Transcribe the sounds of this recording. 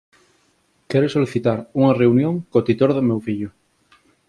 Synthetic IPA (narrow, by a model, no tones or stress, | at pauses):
keɾosoliθit̪aɾuŋareunjõŋkot̪it̪oɾðomewfiʎo